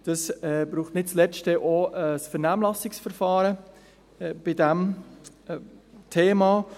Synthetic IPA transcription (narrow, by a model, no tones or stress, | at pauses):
d̥ɑsɛbɾuːχtnɪtt͡slɛstəʔoɛsfɛɾnæːmlɑsɪksfɛɾfɑːɾə | b̥ɪdɛm | tʰeːmɑː